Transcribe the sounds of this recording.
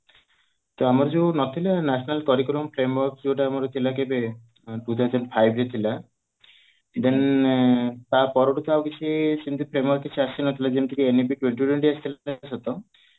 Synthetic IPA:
t̪oamaɾd͡ʒenɔt̪ʰilanasʰɔnalt̪ɔɾikɾɔmpʰɾemwɔɾkd͡ʒoʈaːmaɾɔt̪ʰilakebe | ʈut̪ʰawzɔɳɖpʰajbʱɾet̪ʰila | d̪en | t̪apɔɾoʈɔt̪awkit͡ʃʰisint̪upʰɾemɔɾkːit͡ʃʰiasinɔt̪ʰilad͡ʒemt̪ʰikeenep̬iʈweɳʈuʈweɳʈiast̪ʰilsɔt̪ɔ

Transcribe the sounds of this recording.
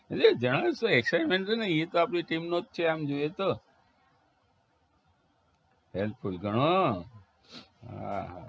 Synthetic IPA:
led͡ʒəɽ̃asoeksaɾmẽɳʈenəiet̪oapɳiʈimnot̪̚t͡ʃʰeamd͡ʒojet̪o | ɦelpʰulɡəɽ̃o | ɦa̰a̰

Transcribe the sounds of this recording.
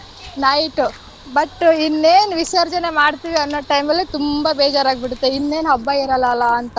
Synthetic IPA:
nɐjʈu | bɐʈːinːeːnʋisɐɾd͡ʒɐnemaːɽt̪iːʋiɐnːoːʈɐjmɐlːit̪umbɐbeːd͡ʒaːɾaːɡ̚biɽut̪ːeinːe̞ːnɦɐbːɐiɾɐlːɐlːaːnt̪ɐ

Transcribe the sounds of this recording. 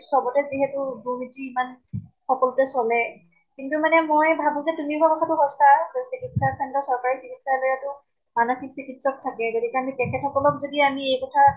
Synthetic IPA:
sɔbɔtɛziɦɛtʊbuɦitːiimanxɔkɔlɔtɛsɔlɛ | kintumanɛmɔjbʱabũzɛtumiɹkakɔtʰatʊɦɔstasikitsakʰantɔsɔɹkaɹisikitsalojatʊ | manɔxiksikitsɔk̚tʰakɛɡodikɛamitɛkʰɛtʰɔkɔlɔk̚zodiamiejkɔtʰa

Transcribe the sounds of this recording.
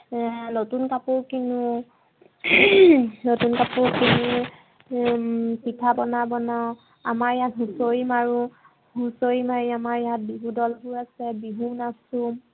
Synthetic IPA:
notunkapuɹkinu | notunkapuɹkini | pitʰabɔnabɔna | amaɹɛjatɦusojimaɹu | ɦusojimaɹiamaɹɛjat̚biɦudɔlbʊɹasɛbiɦunasu

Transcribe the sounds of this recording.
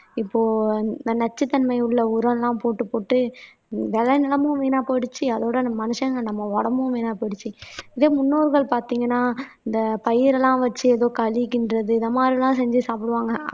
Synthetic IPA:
ɪpːoːɪd̪ɐnɐt͡ʃːɯt̪ːɐnmɐɪɯɭːɐʊɾɐ̃nlãːpoːʈːɯpːoːʈːɯ | ʋɛlɐnɪlɐmɯ̃ʋeːnaːpɐɽɯt͡ʃːiɐðoːɽɐnmɐnɯʂɐɡɐnɐmːɐɔɽɐmɯ̃ʋeːnaːpɐɽɯt͡ʃːiɪðeːmʊnːoːɾɣɐɭpaːɾt̪iːŋɡɐnːaːɪnd̪ɐpɐjɪɾɛlːãːʋɐt͡ʃːɯɛðoːkɐɭɪkːɪndɾɐðɯɪðɐmaːd̪ɾilãːsɛɲd͡ʒɯsaːpɪɽɯʋaːŋɡɐ

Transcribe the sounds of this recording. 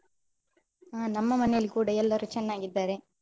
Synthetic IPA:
aːnɐmːɐmɐnːilkuːɽɐjɛlːoːɾɯt͡ʃɛnːaːŋɡɪt̪ːaːɾẽː

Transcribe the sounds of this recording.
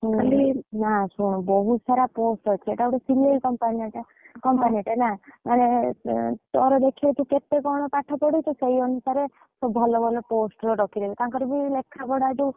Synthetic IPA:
alinasuɽ̃ɔbɔɦusaɾaposʈɦɔt͡ʃʰieʈaewʈɔsileikɔmpaniaʈa | kɔmpaniʈenamañe | t̪ɔɾɔd̪ekʰiɔt̪ʰũket̪ekɔɽ̃ɔpaʈʰɔpɔɽit̪ɔseiɔnusaɾe | sɔbʱɔlɔbʱɔlɔposʈɾɔɾɔkʰid̪ebit̪aŋkɔɾibilekʰːapɔɽad͡ʒu

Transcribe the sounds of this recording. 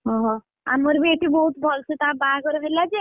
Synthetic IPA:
ɦɔɦɔ̃ | a̰moɾbeʈibɔɦut̪bʱɔlsut̪abakɔɾepʰellad͡ʑe

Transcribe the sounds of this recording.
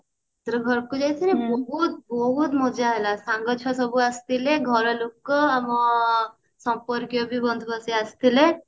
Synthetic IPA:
t̪ɾəɡʱɔɾkud͡ʒajt̪ʰinebɔɦut̪̚bɔɦut̪mɔd͡ʒaɦelasãŋɡət͡ʃʰasɔbuast̪ileɡʱɔɾɔlukːɔəmɔ | sɔmpɔɾkjɔbʱibɔnd̪ʱbasiast̪ile

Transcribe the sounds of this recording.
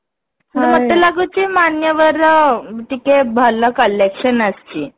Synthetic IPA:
ɦəɽmət̪elaɡut͡ɕimanjəʋəɾʈikebʱələkəlekɕənəst͡ɕiː

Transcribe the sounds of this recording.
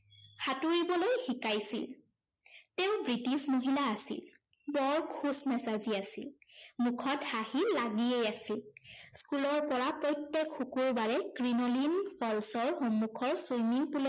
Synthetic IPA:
hatuɹibɔlojxikajsḭl | tɛʊ̃bɹitismoɦilaːsḭl | bɔɹkʰusmɛsaziasḭlmukʰɔthahilaɡiejasilskulɔɹpɔɹapɹɔjtːekxukuɹbaɹɛkɹinɔlinfʰɔlsɔɹxɔmːukʰɔɹsojmiŋpulɔ

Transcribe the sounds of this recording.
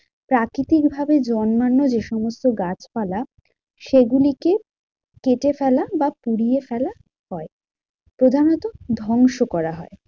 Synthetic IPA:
pɾakɾit̪ikbʱabed͡ʑɔnmanːod͡ʑeʃɔmost̪oɡat͡ɕfala | ʃeɡulike | keʈefɛlabapuɽijefɛla | hɔe | pɾod̪ʱanɔt̪od̪ʱɔŋʃokɔɾaɦɔe

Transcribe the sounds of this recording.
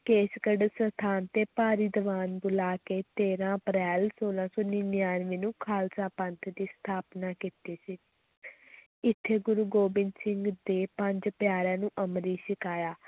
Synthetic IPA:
keːskəɖsət̪ʰaːnt̪eːpaːɾiːd̪əʋaːnbʊlaːkeːt̪eːɾãːəpɾɛːlsoːlãːsɔːniːnɪjaːnʋĩːnũːkʰaːlsãːpə̃nt̪ʰd̪iːst̪ʰaːpnaːkiːt̪eːsiː | ɪt̪ʰːeːɡʊɾuːɡoːbɪnsɪ̃ŋɡd̪eːpəɲd͡ʒpɪjaːɾãːnũːʔəmɾiːʃɪkaːjaː

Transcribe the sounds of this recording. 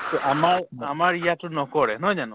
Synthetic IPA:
tɔʔamaɹamaɹijatʊnɔkɔɹɛɦɔjzanʊ

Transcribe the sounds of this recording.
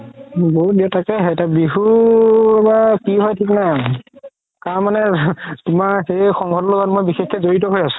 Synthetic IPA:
boɦut̚diɛtʰakɛɦɛjtabiɦu | bakiɦɔjtʰiknaj | kaɹmanɛtʊmaɹxejxɔŋɡʱɔtloɡɔtmojbixexkːɛzoɹitɔɦojasʊ̥̃

